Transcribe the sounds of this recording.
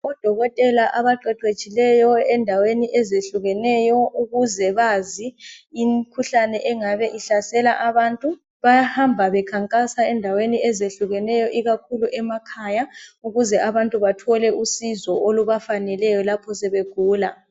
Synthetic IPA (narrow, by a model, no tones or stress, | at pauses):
ɔd̥ʱɔɣɔtʼɛlaʔaβaǃɛǃe̥t͡ʃʼilɛjɔɛndʱaweniʔɛzeɬuɣɛnɛjɔʔuɣuzɛβaziːmkʰuɬanɛʔɛŋaβɛʔiɬasɛlaʔaβaːntʼu | βajahambʱaβɛkʰaŋkʼasaɛndʱaweniɛzeɬuɣɛnɛjɔʔiɣakʰuluʔɛmakʰajauɣuzɛʔaβantʼuβatʰɔlɛʔusizɔʔoluβafanɛlɛjɔlapʰɔsɛβeɡ̥ʱuːla̰